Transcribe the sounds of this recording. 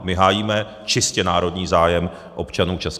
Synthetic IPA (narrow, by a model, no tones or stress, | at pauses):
mɪɦaːjiːmɛ | t͡ʃɪscɛnaːɾo̞dɲiːzaːjɛm | ʔo̞pt͡ʃanuːt͡ʃɛs